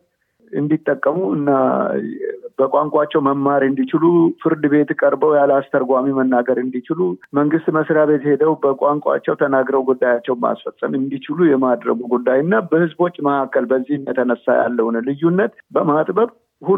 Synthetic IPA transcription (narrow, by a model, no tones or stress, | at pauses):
ɨ̰nd̪it̪ʼːəkʼːəmuɨ̰nːa | bəkʷʼaŋkʼat͡ʃːɛwməmːaɾɨnd̪it͡ʃɪlufɨɾd̪ɨβe̞t̪kʼəɾbəwjalast̪ʰəɾɡʷamimənːaɡəɾɨnd̪it͡ʃɪluməŋɡɨst̪məsɾaβet̪he̞d̪əwbəkʼaŋkʷʼa̰t͡ʃːɛwt̪ʰənaɡɾəwɡud̪ːajat͡ʃːɛwma̰sfəsʼəmɨnd̪it͡ʃɪlujɛmad̪ɾə̰ɡuɡud̪ːajɨnːabəhɨzbwot͡ʃʼːməʔakʰːəlbəzːihmjat̪ʰənəsːa̰ja̰lːəhunəlɨjːunːət̪bəmat̪ʼbəβ | hu